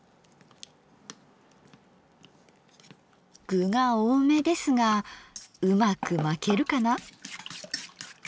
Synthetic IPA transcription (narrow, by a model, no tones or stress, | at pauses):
ɡ̥ɯ̟ɡaoːme̞d̪e̞sɨŋa | ɯmakɯ̟make̞ɾɯ̟kana